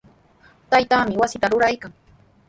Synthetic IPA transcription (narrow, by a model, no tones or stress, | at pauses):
t̪ajt̪aːmɪwasɪt̪aɾʊɾajkaŋ